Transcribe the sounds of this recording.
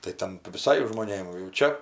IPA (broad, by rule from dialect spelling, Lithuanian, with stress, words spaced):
tɐɪ ˈtʲɛn ʋʲɪˈsɐɪ ʒmoːˈnʲeːm jɛʊ ˈt͡ʃʲɛ